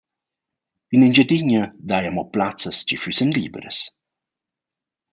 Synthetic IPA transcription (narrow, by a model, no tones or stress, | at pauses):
inind͡ʒəd̪iɲəd̪ajamɔplat͡səst͡ʃifysənliːbə̰ɾə̰s